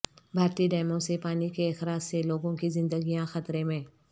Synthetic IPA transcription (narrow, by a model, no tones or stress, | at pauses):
bʱaːɾt̪iɖɛːɪmõsepaːnikeːxɾaːd͡ʒseloːɡõkizɪ̃nd̪əɡijãxɐt̪ɾemẽ